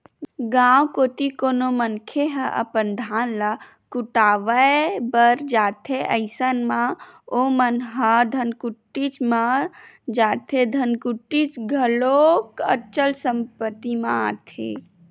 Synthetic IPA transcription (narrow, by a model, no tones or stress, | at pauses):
ɡãwkot̪ikonomənkʰeɦəʔə̰pənd̪ʱanla | kuʈaːʋəebəɾd͡ʒaːt̪ʰeʔəɪsənmãomənɦəd̪ʱənkuʈːit͡ʃma | d͡ʒaːt̪ʰed̪ʱənkuʈːit͡ʃɡʱəlokət͡ʃəlsəmpət̪ːimãa̰t̪ʰḛ